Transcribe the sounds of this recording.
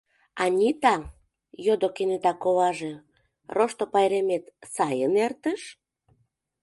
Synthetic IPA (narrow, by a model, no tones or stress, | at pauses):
ɑnʲit̪ɑ | jod̪okenyt̪ɑkoβɑʒe | roʃt̪opɑjɾemet̪sɑjənert̪əʃ